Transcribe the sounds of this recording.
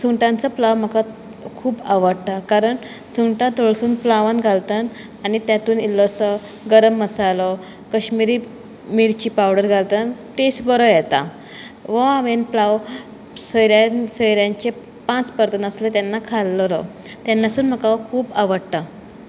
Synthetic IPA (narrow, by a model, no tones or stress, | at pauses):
t͡sʰuŋʈãnt͡sɔplaʋm̤əka | kʰuːbaʋəɽt̪akaɾəɳ | t͡sʰuŋʈãt̪oɭsuːnplaʋãnɡʱalt̪an | anit̪jat̪uːnilːɔsə | ɡəɾəmːəsalɔ | kəɕmiɾi | miɾt͡ɕiːpawɽəɾɡʱalt̪anʈesbəɾɔjɛt̪a̰ | ʋɔamenplaʋ | səjɾjansəjɾjãɲt͡ɕe | pãt͡spəɾt̪ənəslet̪janːakʰalːɾɔ̰ | t̪janːasuːnm̤əkakʰuːbaʋəɽt̪a